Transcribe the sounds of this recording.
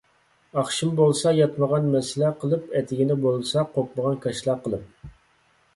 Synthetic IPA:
ɑχʃimbolˠsɑjɑt̪məʁɑnmɛsɪlæqʰəlˠɨpɛt̪ʰɪɡʲɪnɪbolˠsɑqʰok̚məʁɑnkʰɑʃlˠɑqʰəlˠɨp̚

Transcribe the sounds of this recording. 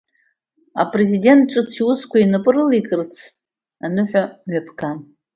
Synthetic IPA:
a̰pʼrezide̞ntʈ͡ʂʼɨt͡sʰiwʊskʷʰainɨpʼɨrɨlikʼɨrt͡sʰ | anɨħᶣʷamɥapʰkʰa

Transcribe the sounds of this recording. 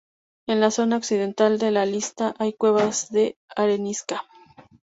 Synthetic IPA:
enlaso̞naoksiðent̪ald̪elalist̪aʔajkwe̞βazðe̞aɾeniska

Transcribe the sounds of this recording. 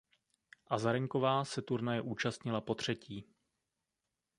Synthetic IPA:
ʔazaɾɛŋko̞vaːsɛt̪uɾnajɛʔuːt͡ʃast̪ɲɪlapo̞t̪r̝̥ɛciː

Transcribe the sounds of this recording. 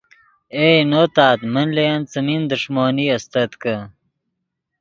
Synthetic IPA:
eːnoːt̪aːt̪mɐnlejɐnt͡sɐmind̪uʂmoːniɐst̪ɐt̪kɐ

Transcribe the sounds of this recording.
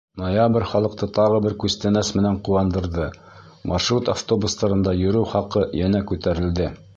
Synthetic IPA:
nojabɾʲχɑlˠɤ̆q̚t̪ɤt̪ɑʁɤ̆bɘɾkʉst̪ænæsmɘ̆næɴquwɑnd̪ɤ̆ɾðɤ | mʔɑrʃrut̪aft̪o̞bust̪ɑɾɤ̆nd̪ɑjɵ̆ɾɘwχɑqɤjænækʉt̪æɾɘ̆ld̪ɘ

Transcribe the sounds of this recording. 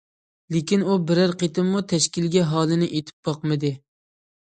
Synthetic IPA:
lekʲinubɪɾæɾqet̪ɪmːut̪ʰɛʃkʲilɡʲɛɦɑːlˠɪnɪʔet̪ʰɪ̥p̚bɑqmɨd̪ɪ

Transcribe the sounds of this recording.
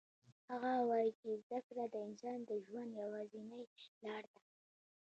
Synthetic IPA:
haɣawɑjit͡ʃezzakɾad̪əɪnsɑnd̪əʒwand̪jawɑzinəjlɑɽd̪a

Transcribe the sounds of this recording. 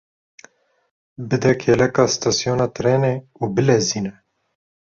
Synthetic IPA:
bɨd̪ɛkʰeːlɛkɑːst̪ɑːsjoːnɑːt̪ɨɾeːneːuːbɨlɛziːnɛ

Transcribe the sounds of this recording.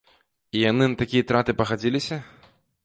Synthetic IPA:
ijanɨnɐt̪akʲijɐt̪ɾat̪ɨpɐɣad͡zʲilʲisʲɐ

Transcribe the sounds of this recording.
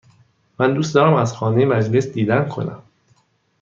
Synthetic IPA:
mænd̪uːst̪d̪ɒːɾæmæzxɒːnejemæd͡ʒle̞sd̪iːd̪ænkʰo̞̰næ̰m

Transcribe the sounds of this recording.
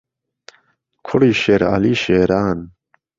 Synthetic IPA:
kʰuɽiːɕeɾa̰liːɕeːɾaːn

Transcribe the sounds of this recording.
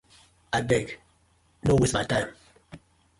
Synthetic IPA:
abɛɡ | nowismatãjm

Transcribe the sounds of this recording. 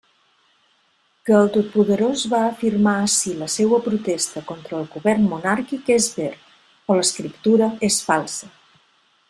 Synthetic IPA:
kəːlˠt̪ot̪̚puðəɾozβaəfirmaəsiləsewəpɾut̪est̪əkont̪ɾəːlˠɣuβɛrnmunaɾkikezβeɾ | ɔləskɾip̚t̪uɾəesfalˠsə

